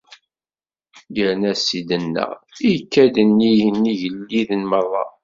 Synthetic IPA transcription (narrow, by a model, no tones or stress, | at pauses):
ɡəɾnæsid̪ənːə̰ʁikːæd̪ənːijənːiʝəlːiðənməɾˤːɑ̰